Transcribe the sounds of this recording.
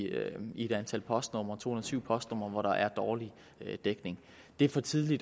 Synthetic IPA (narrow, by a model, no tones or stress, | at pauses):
ie̝d̥ænt͡sʰæl̰pʰɒ̽sd̥nɔmɐt͡sʰo̝̰ːhunðˠsyʊ̰pʰɒ̽sd̥nɔmɐʋɒɾɑ̈ʔæɐd̥ɒːli | ød̥eɡ̥ne̝ŋ | d̥e̝ɐfɒ̽t͡sʰiðˠlid̥